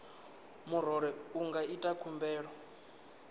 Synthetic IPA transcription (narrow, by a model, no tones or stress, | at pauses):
muɾɔɾɛuŋɡaitʼakʰumbɛːɺɔ